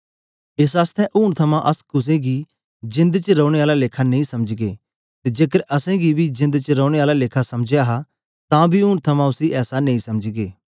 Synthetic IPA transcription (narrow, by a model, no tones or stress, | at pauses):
eːsaːst̪ʰɛʔʊːɽ̃t̪ʰɐmãʔɐskʊs̬ẽɡi | d͡ʒɪ̃nd̪t͡ʃəɾɔːɽ̃eaːlaleːkʰanẽːĩsɐməd͡ʒɡeː | t̪ed͡ʒeːkəɾɐsɛ̃ɡibʱid͡ʒɪ̃nd̪t͡ʃəɾɔːɽ̃eaːlaleːkʰasɐmd͡ʒjaɦa | t̪ãbʱiʊːɽ̃t̪ʰɐmãʊsiʔɛːsanẽːĩsɐmd͡ʒɡeː